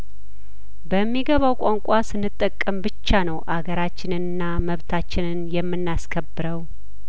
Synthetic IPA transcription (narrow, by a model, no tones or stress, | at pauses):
bəmːiɡəβawkʷʼaŋkʷʼasɨnːɨt̪ʼːəkʼːəmbɨt͡ʃːanəwʔaɡəɾat͡ʃːɪnɨnɨnːaməβt̪ʰat͡ʃːɪnɨnjɛmːɨnːaskʰəbːɨɾəw